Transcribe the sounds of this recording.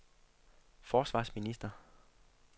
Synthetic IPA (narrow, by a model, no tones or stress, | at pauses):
fɒːsʋɑ̰̈ːsminisd̥ɐ